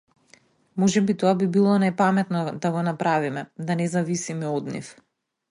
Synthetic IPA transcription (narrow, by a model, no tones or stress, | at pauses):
mɔʒɛbit̪oabibilˠɔnapamɛt̪nɔd̪aɡɔnapɾavimɛd̪anɛzavisimɛɔd̪nḭf